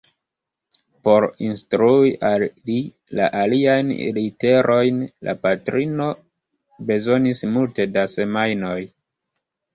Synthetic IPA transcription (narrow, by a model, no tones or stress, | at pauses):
po̞ɾinstɾuiʔalːi | la̰ʔaliajnlite̞ɾʔo̞jnla̰patɾino̞ | be̞zo̞nismulte̞dase̞majno̞j